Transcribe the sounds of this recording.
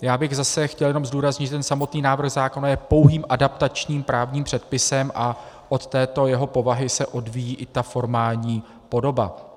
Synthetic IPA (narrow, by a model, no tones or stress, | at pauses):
jaːbɪɣzasɛxcɛljɛno̞mzduːɾazɲɪt̪ʒɛt̪ɛnsamo̞t̪niːnaːvr̩ɣzaːko̞najɛpo̞wɦiːmʔadapt̪at͡ʃɲiːmpɾʔaːvɲiːmpr̥ɛt̪̚pɪsɛmʔa | ʔo̞t̪ːɛːt̪o̞jɛɦo̞po̞vaɦɪsɛʔo̞dvijiːʔɪt̪afo̞ɾmaːlɲiː | po̞do̞ba̰